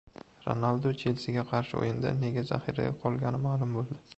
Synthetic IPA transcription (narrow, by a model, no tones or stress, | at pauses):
ɾo̰nalˠd̪ot͡ʃʰelsɪɡʲaqʰɑɾʃɪo̰jɪnd̪a̰ne̞ɡʲaza̰χiɾa̰ɡʲaqʰɒlˠɡʲanɪmaːlˠʊmbolˠd̪ɪ